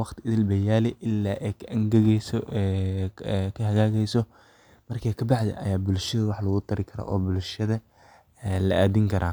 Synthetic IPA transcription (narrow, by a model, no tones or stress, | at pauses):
wɑχt̪ʰɪɪðɪlbɐjaːlɛʔɪlːaːʔɛjkʰɐʔɐŋɡɐɣɛsɔ | kʰɐɦɐɣaːɣɛjsɔ | mɐrkʰakʰɐbɑħd̪ɛ̰ʔɐ̰jaːbʊlʃɐðɐwɑħlɐɣʊt̪ʰɐɾɪkʰɐɾɔ̰ʔɔːbʊlʃɐðɐ | ɛlɐ̰ʔaːd̪ɪŋkʰɐɾʔa̰ː